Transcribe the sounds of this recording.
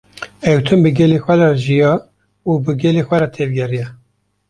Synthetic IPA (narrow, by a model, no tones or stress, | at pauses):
ɛwt̪ʰɨmbɨɡɛlexʷɛɾɑʒijɑː | uːbɨɡɛlexʷɛɾɛt̪ʰevɡʲɛrijɛ